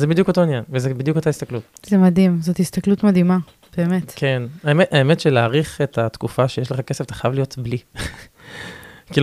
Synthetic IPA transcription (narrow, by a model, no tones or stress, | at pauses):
zebid̪juko̞to̞injanvezebidjukotaistaklutzemadimzothist̪ɐklutmadima | b̥eːme̞t̪kʰenaemeaemetʃeleaːʁiχe̞tatkufaʃejeʃleχakeseft̪ḁχajavlijo̞tbli | kil